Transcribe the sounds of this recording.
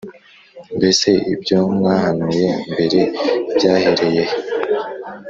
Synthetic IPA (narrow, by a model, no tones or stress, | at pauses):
mbe̞se̞ibjo̞mŋaːhanuje̞mbe̞ɾe̞bjaːhe̞ɾe̞je̞